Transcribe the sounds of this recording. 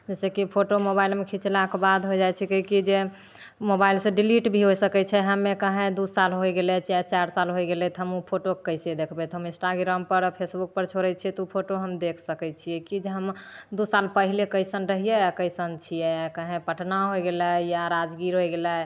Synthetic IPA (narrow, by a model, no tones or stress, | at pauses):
d͡ʒɛsekipʰoʈomobailmekʰit͡ʃlakebad̪ɦojd͡ʒajt͡ʃʰɛkəikid͡ʒe | mobailsẽɖiliʈbʱiɦojsəkɛt͡ʃʰɛɦəmːekəɦẽd̪usalɦojɡelɛt͡ʃʰt͡ʃaɾsalɦojɡelɛt̪ɦəmupʰoʈokkəjsed̪ekʰbɛt̪ɦəmĩnsʈaɡɾampəɾpʰesbuk̚pəɾt͡ʃʰoɾɛt͡ʃʰɛt̪upʰoʈoɦəmd̪ekʰsəkɛt͡ʃʰiɛkid͡ʒeɦəmd̪usalpəɦilekəɪsənɾəɦijɛkəjsənt͡ʃʰijɛkəɦẽpəʈʰnaɦojɡeləjaɾad͡ʒɡiɾɦojɡelə